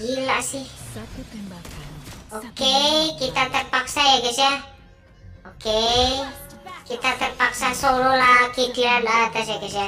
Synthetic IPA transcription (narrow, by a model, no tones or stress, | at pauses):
ilaʔsih | okeikit̪at̪ərpaksajaɡasia | oke | kit̪at̪ərpaksasololakit̪ianat̪asjakəsia